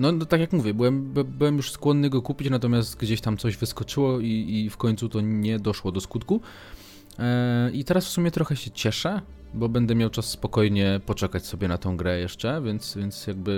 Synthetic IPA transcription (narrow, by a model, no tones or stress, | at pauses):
nɔnɔt̪akjakmuvʲjɛbɘwɛmbbɘwɛmjuʂskwɔnːɘɡɔkupʲit͡ɕnat̪ɔmʲjast̪ɡd͡ʑeɕt̪amt̪sɔʑvɘskɔt͡ʂɘwɔiːfkɔɲt̪sut̪ɔɲɛd̪ɔʂwɔd̪ɔskut̪ku | ʔit̪ɛɾasfsumʲjɛt̪ɾɔxɛɕɛt͡ɕɛʂɛ | bɔbɛnd̪ɛmjawt͡ʂasːpɔkɔjɲɛpɔt͡ʂɛkat͡ɕsɔbʲjɛnat̪ɔ̃w̃ɡɾɛjɛʂt͡ʂɛvʲjɛnt̪svʲjɛnt̪sjaɡ̚bɘ